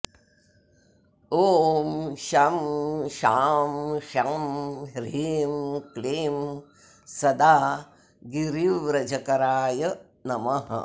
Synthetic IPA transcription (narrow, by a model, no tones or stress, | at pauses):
oːmʃɐmʃaːmʃamɾeːmkleːm | sɐd̪aː | ɡiɾiʋɾɐd͡ʒɐkɐɾaːjɐ | nɐmɐɦɐ̰